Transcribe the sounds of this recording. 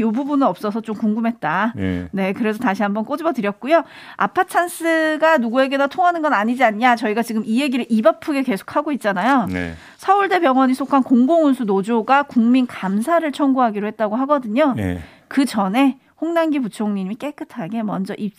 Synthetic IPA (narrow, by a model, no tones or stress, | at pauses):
jobubunɯnʌp̚s͈ʌsʰʌt͡ɕomkuŋɡumɦe̞t̚t͈ane̞kɯɾe̞s̬ʰʌtaɕʰiɦambʌnk͈od͡ʑibʌtɯɾjʌt̚k͈ujo | a̰pʰat͡ɕʰans͈ʰɯɡanuɡue̞ɡe̞natʰoŋɦanɯnɡʌnaɲid͡ʑiaɲɲat͡ɕʌiɡat͡ɕiɡɯmije̞ɡiɾɯɭʔibapʰuɡe̞ke̞sʰo̥k̚ʰaɡoit̚t͡ɕ͈anajo̰ | sʰʌuɭde̞pjʌŋwʌɲisʰokʰankoŋɡoŋunsʰunod͡ʑoɡakuŋminkamsʰaɾɯɭt͡ɕʰʌŋɡuɦaɡiɾohe̞t̚t͈aɡoɦaɡʌdɯɲo̰ | kɯt͡ɕʌne̞ | hoŋnanɡiput͡ɕʰoŋɲimik͈e̞k͈ɯtʰaɡe̞mʌnd͡ʑʌʔi